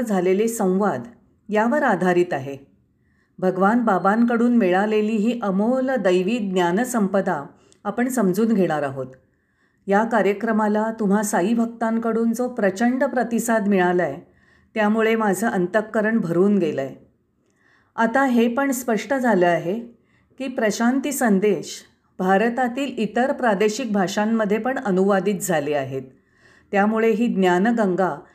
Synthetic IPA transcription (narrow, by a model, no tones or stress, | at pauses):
d͡zʱalelesə̃w̃ʋad̪ | jaʋəɾad̪ʱaɾiːt̪aɦe | bʱəɡʋanbabaŋk̬əɽuːnmiɭaleliːɦiːʔəmoləd̪əjʋiːt̪̚ɡnjanəsəmpəd̪a | apəɳsəmd͡zuːnɡʱeɽ̃aɾaɦot̪ | jakaɾjəkɾəmalat̪um̤asaɦibʱəkt̪aŋkəɽuːnd͡zopɾət͡ɕəɳɖpɾət̪isad̪miɭaləj | t̪jamuɭemad͡zʱəʔənt̪əkːəɾəɳbʱəɾuːnɡeləj | at̪aɦepəɳspəʂʈəd͡zʱaləaɦe | kiːpɾəɕant̪isənd̪eɕ | bʱaɾt̪at̪iːlit̪əɾpɾad̪eɕik̚bʱaʂamːəd̪ʱːjepəɳənuʋad̪iːt̪̚d͡zʱaleaɦet̪ː | jamuɭeɦiːd̪njanəɡəŋɡa